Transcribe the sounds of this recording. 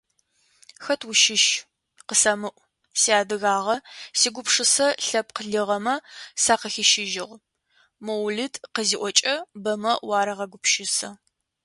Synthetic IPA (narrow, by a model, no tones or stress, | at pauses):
xɐtʰwʊʃɪʃ | qəsɐmɨʔʷ | siaːdɨɣaːʁɐsiːɡʷʊpʂɨsɐɬɐp̚qəɮɨʁɐmɐsaːqəxɪʃɪʒɪʁ | mowɮɨtqəziːʔʷɔt͡ʃʼɐbɐmɐwɑːɾɐʁɐɡʷʊpʃɪsɐ